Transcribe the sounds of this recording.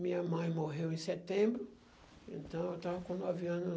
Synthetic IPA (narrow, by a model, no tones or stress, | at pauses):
mĩɐmɐ̃j̃moɦewẽsɛt̪ẽmbɾu | ẽnt̪ɐ̃w̃ewt̪ãvɐkõnd̪aviãnu